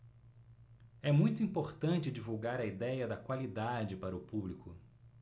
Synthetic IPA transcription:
ɛmũj̃t̪ʊĩmpoɾt̪ɐ̃nt͡ʃɪd͡ʒivuwɡaɾɐid̪ɛjɐd̪ɐkwalid̪ad͡ʒɪpaɾɐʊpublikʊ

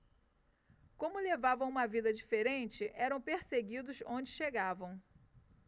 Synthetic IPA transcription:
kõmʊlevavɐ̃w̃ũmɐvid̪ɐd͡ʒifeɾẽnt͡ʃɪʔɛɾɐ̃w̃peɾseɡid̪ʊʃõd͡ʒɪʃeɡavɐ̃w̃

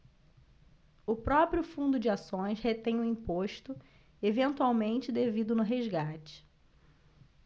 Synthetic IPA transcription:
ʊpɾɔpɾjʊfũnd̪ʊd͡ʒɪasõj̃shet̪ẽj̃ʊĩpoʃt̪ʊ | evẽnt̪uawmẽnt͡ʃɪd̪evid̪ʊnʊɦezɡat͡ʃɪ̥

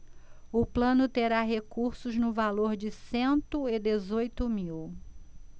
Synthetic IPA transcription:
ʊplɐ̃nʊt̪eɾaɦekuɾsʊznʊvaloɾd͡ʒɪsẽnt̪ʊɪd̪ezojt̪ʊmiw

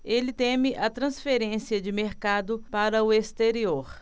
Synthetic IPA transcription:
elɪt̪ẽmɪʔɐt̪ɾɐ̃sfeɾẽsiɐd͡ʒɪmeɾkad̪ʊpaɾɐʊest̪eɾioɾ

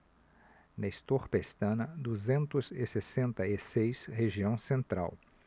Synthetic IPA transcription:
nɐist̪oɾpest̪ɐ̃nɐd̪uzẽnt̪ʊzɪsesẽnt̪ɐisejsheʒiɐ̃w̃sẽnt̪ɾa̰w

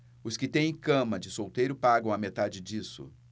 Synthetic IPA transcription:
ʊskɪt̪ẽj̃ẽkɐ̃mɐd͡ʒɪsowt̪ejɾʊpaɡɐ̃w̃ɐmet̪ad͡ʒɪd͡ʒisʊ̰

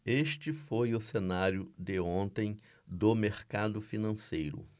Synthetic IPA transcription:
eʃt͡ʃɪfojʊsenaɾjʊd̪ɪõnt̪ẽj̃ | d̪ʊmeɾkad̪ʊfinɐ̃sejɾʊ̰

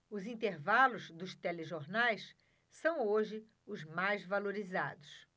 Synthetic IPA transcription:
ʊzĩnt̪eɾvalʊzd̪ʊst̪ɛleʒoɾnajs | sɐ̃w̃oʒɪ | ʊzmajzvaloɾizad̪ʊs

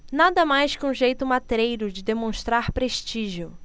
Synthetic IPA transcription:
nad̪ɐmajskɪũʒejt̪ʊmat̪ɾejɾʊd͡ʒɪd̪emõʃt̪ɾaɾpɾeʃt͡ʃiʒiʊ

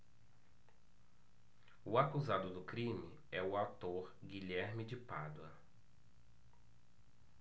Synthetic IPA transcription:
ʊakuzad̪ʊd̪ʊkɾĩmɪ | ɛʊawt̪oɾɡiʎɛɾmɪd͡ʒɪpa̰d̪wɐ̰

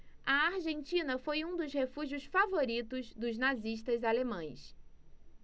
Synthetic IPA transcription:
ɐaɾʒẽnt͡ʃĩnɐfojũd̪ʊshefuʒiʊsfavoɾit̪ʊzd̪ʊznaziʃt̪ɐzalemɐ̃j̃s

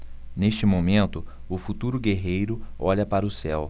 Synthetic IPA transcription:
neʃt͡ʃɪmomẽnt̪ʊ | ʊfut̪uɾʊɡeɦejɾʊɔʎɐpaɾʊsɛw

